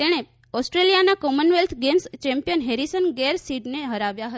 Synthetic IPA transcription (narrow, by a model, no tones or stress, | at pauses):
t̪eɽ̃e | ɔsʈɾelijanakɔmənʋelt̪ʰɡenst͡ʃɛ̃mpijənɦeɾisənɡeɾsiʈneɦəɾaʋjaɦə